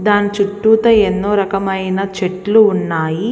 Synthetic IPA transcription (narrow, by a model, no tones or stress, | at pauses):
d̪aːnit͡ʃuʈːuːt̪ɐenːoːɾɐkɐmɐjnɐt͡ʃeʈluːnːaːji